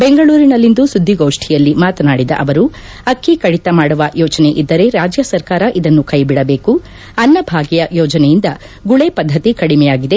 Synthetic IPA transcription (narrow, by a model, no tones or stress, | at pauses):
beŋɡɐɭuːɾinɐlːind̪usud̪ʱːiɡoːʂʈʰijɐlːimaːt̪ɐnaːɽid̪ɐ̰ʔɐʋɐɾu | ɐkːikɐɽit̪ɐmaːɽuʋɐjɔːt͡ʃɐneʔid̪ːɐɾe̞ɾaːd͡ʒjɐsɐɾkaːɾɐʔid̪ɐnːukɐjbiɽɐbeːku | ɐnːɐbʱaːɡijɐjɔːd͡ʒɐnɛjind̪ɐ | ɡuɭepɐd̪ʱːɐt̪ikɐɽimɛjaːɡid̪e̞